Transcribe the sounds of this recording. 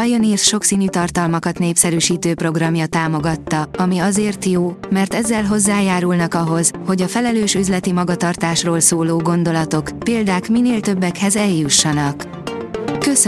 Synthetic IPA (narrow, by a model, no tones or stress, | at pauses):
ɒjoniːrsʃo̞ksiːnyːt̪ɒrt̪ɒlmɒkɒt̪neːpsɛɾyːʃiːt̪øːpro̞ɡrɒmjɒt̪aːmo̞ɡɒt̪ːɒɒmiɒzeːrt̪joːmɛrt̪ɛzːɛlɦo̞zːaːjaːɾulnɒkɒɦo̞z̥ho̞ɟɒfɛlɛløːʃyzlɛt̪imɒɡɒt̪ɒrt̪aːʃroːlsoːloːɡo̞n̪d̪o̞lɒt̪o̞kpeːld̪aːkmineːlt̪ø̞bːɛkhɛzɛljuʃːɒnɒk | køsø